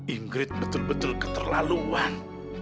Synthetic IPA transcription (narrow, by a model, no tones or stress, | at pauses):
ʔiŋɡɾɪt̪̚bət̪ʊlbət̪ʊlkə̥t̪ərla̰luan